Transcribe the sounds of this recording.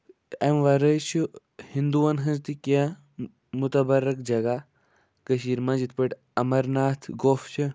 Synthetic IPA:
ɐmʋɐɾəjt͡ʃʰu | hind̪uʋɐnɦɐ̃nzt̪ikẽ | mut̪ɐbɐɾɐkd͡ʒɐɡa | kəʃiːɾmãd͡ʒit̪̚ʰpɐʈ | ɐmɐɾnaːt̪ʰɡoːft͡ʃʰi

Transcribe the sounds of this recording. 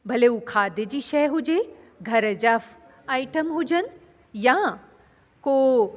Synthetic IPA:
bʱɐleukʰaːd̪ed͡ʑiːʃɛɦʊd͡ʑe | ɡʱɐɾəd͡ʑɐf | aːɪʈəmɦʊd͡ʑən | jã | ko

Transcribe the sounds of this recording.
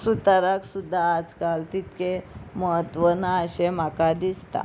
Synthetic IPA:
sut̪aɾaksud̪ʱːaːd͡zkalt̪it̪keməɦət̪ʋənaəɕem̤akad̪ist̪a̰

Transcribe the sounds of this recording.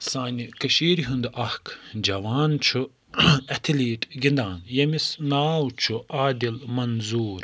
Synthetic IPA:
saːnʲikɐʃiːɾiɦund̪ʔɐhkʰd͡ʒɐʋaːnt͡ʃʰu | ɐt̪ʰiliːʈɡʲind̪aːnjɐmisnaːwt͡ʃʰuaːd̪ilmɐnzuːɾ

